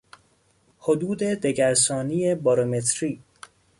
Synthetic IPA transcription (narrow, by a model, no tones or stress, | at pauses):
hod̪uːd̪e̞d̪e̞ɟæɾsɒːniːe̞bɒɾome̞t̪ʰɾiː